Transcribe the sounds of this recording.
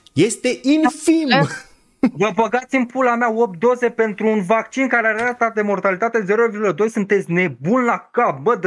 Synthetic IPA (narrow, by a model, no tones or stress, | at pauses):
je̞st̪e̞ʔinfim | vəbəɡat̪simpulamaop̚d̪o̞ze̞pe̞nt̪ɾuːnvakt͡ʃinkaɾeaɾat̪ad̪e̞mo̞rt̪alit̪at̪e̞ze̞ɾovirɡuləd̪o̞jsunt̪e̞t̪sʲne̞bunlakap̚bəd̪